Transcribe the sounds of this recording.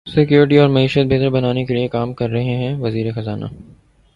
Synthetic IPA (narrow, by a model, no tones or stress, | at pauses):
sɪkjuːɾɪʈiɔːɾmɐiːʃət̪̚bʱeːt̪əɾbɐnaːnekeliekaːmkɐɾːɐɦẽɦɛ̃ʋɐziːɾexɐzaːna̰ː